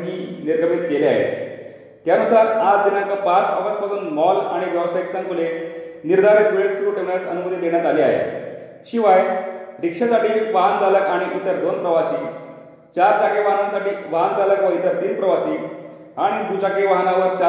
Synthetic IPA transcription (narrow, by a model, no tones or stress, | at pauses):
ɦiːniɾɡəmit̪kelea̰ɦḛt | t̪janusaɾat͡sd̪inəŋkəpat͡səɡəspasuːnmɔla̰ɽ̃iʋjəʋsajksə̃ŋkuleniɾd̪ʱaɾit̪ʋeɭsuʈʰemat͡sənubud̪id̪eɳ̃jat̪alia̰ɦḛ | ɕiʋajɾikʂasaʈiːpand͡zaləkaɽ̃iʔut̪ːəɾd̪onpɾəʋaɕiː | t͡ɕaɾt͡ɕakeʋaɦənansaʈiːʋaɦand͡zaləkʋəɦjt̪əɾt̪iːnpɾəʋasi | aɽ̃id̪ut͡ɕakeʋaɦnaʋəɾt͡ɕ